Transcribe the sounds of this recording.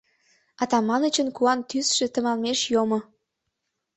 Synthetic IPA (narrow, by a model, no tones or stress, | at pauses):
ɑt̪ɑmɑnət͡ɕənkuɑnt̪ysʃet̪ə̆mɑlmeʃjomo